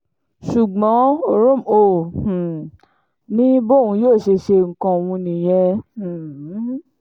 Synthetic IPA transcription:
ʃu˨ɡ͡bɔ̃˨˦˧ɾo˦˨mõ˨ | nĩ˦bo˦˨wũ˧joː˦˨ʃe˧ʃe˧ŋ̩˨kã˧˨wũ˧nĩ˨j̃ɛ̃˧˨˦

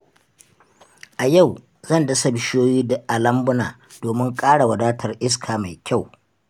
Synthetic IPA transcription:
ʔa˨ja˦˨w | zɐ˦˨ndɐ˦sɐ˦˨bɪ˨˦ʃoː˦jiː˦da˨ʔa˨lɐ˦mbʊ˦naː˨ | d̥oː˨mɪ˦ŋkʼaː˦ɽa˨wɐ˨daː˦tʰɐ˨rʔɪ˦s̬kʰaː˨ma˨jkʲa˦˨w

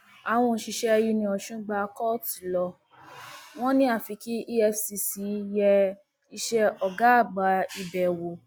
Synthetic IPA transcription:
a˨w̃ɔ̃˧ʃi˧ʃɛ˦˧ji˧nĩ˧ɔ˧ʃũ˦ɡ͡ba˧kɔ˦ti˨lɔ˧ | w̃ɔ̃˦nĩ˦a˦˨fi˨˧ki˦ʔi˦ɛ˧fsi˧si˨˦jɛ˧ | i˧ʃɛ˧ɔ˨ɡa˨˦a˦˨ɡ͡ba˨˧i˧bɛ˨wo˨

